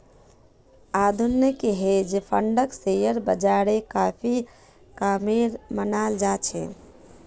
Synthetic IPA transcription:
ad̪ʱunːjəkeɦed͡ʒpʰəɳɖəksejəɾbəd͡ʒaɾekapʰi | kameɾmənald͡ʒat͡ʃʰɛ̰

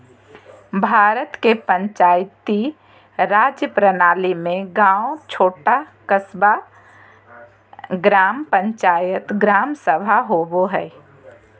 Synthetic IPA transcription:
bʱaːɾət̪kepə̃ɲt͡ʃaːjt̪i | ɾaːd͡ʒjəpɾənaːlimẽɡãːot͡ʃʰoːʈakəsba | ɡɾaːmpə̃ɲt͡ʃaːjət̪ɡɾaːmsəbʱaɦoːboɦɛː

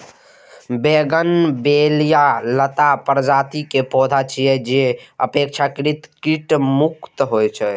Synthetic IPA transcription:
beɡənbelijalət̪apɾəd͡ʒat̪ikepɔd̪ʱat͡ʃʰijɛd͡ʒeəpekt͡ʃʰakɾit̪kiʈmukt̪ɦojt͡ʃʰɛ

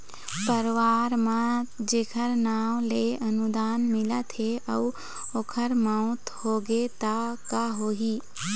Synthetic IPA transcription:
pəɾʋaːɾmãd͡ʒeːkʰəɾnaːwleɐnud̪aːnmɪlat̪ʰeʔɐu | oːkʰəɾmãʊt̪hoːɡet̪akaɦoːɦiː

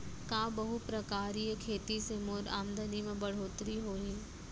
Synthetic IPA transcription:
kãːbɐɦupɾɐkaːɾikʰeːt̪isemoːɾaːmd̪ənimẽbɐɽ̤oːt̪ɾiɦoːiː

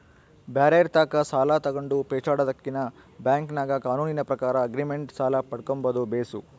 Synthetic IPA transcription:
baːɾɐjɾt̪aːkɐsaːlat̪ɐɡoɳɖupɛːt͡ʃaːɽɐd̪ɐkːinɐ | bjaːŋknaːɡɐkaːnuːninɐpɾɐkaːɾɐːɡɾimeɳʈsaːlapɐɽkombɐd̪ubeːsu

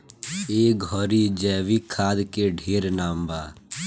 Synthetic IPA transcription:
eːɡʱɔːɾid͡ʒɛːʋiːkʰaːd̪keɖʱeːɾnaːmbaː

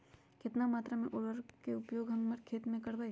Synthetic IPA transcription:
kɪt̪namaːt̪ɾamẽʔoːɽəɾkeʊpjoːɡɦɐ̃ŋɡməɾkʰeːt̪mẽkɐɽʋae

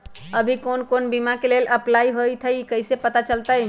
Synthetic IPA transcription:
əbʱikonkonbimakeleləplajɦojt̪ʰəjkəjsepət̪at͡ʃəlt̪əj

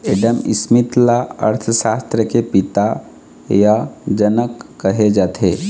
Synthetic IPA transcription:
eːɖəmɪ̰smɪt̪laə̰ɾt̪ʰəʃaːst̪ɾəkepɪt̪a | jad͡ʒənəkːəɦed͡ʒaːt̪ʰe

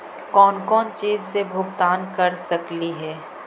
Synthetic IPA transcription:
kɔːnkɔːnt͡ʃiːzsebʱʊɡt̪aːnkɐɾsɐkliɦɛː

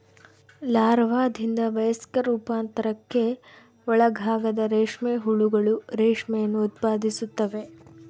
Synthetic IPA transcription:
laːɾʋaːd̪ʱind̪ɐʋɐjɐsi̥kɐɾuːpaːnt̪ɐɾɐkːe̞ | ɔɭɐɡʱaːɡɐd̪ɐɾeːʂmeːɦuɭuɡɐɭuɾeːʂmɛjɐnːuːt̪̚paːd̪ʱisut̪ːɐʋe̞

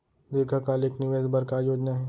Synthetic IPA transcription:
d̪ɪɾɡʱəkaːleːknɪʋeːzbɐɾkaːjoːd͡ʒnaɦɛː

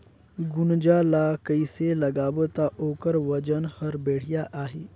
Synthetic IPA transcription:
ɡund͡ʒalakəjseləɡaʋət̪aʔokəɾʋəd͡ʒənhəɾbeːɽ̤jaʔaɦe

